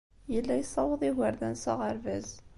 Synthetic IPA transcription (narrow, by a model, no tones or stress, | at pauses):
jəlːæjsˤːɑwəðˤiɣəɾðænsɑ̰ʁəɾvæz